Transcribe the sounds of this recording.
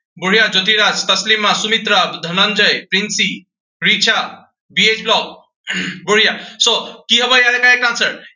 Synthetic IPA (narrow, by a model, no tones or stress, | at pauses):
buɽ̤ijad͡ʒot̪iɾat͡ʃt̪ɐslimːãsumit̪ɾad̪ʱɐnənd͡ʒəjpɾinsi | ɾit͡ʃʰa | biet͡ʃblɔk̚ | buɽ̤ijasokiɦɐbəjalekaekãnsəɾ